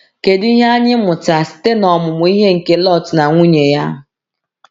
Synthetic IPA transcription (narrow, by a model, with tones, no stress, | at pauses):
ke˨di˦ɦe˦a˦ɲɪ˦mʊ˨ta˨sɪ̥˦te˦nɔ˨mʊ˨mʊ˨˦i˦ɦe˦ŋ̩˨ke˦lɔ˦˨tna˨ŋʷu˦ɲe˨ja˦ɦʊ˨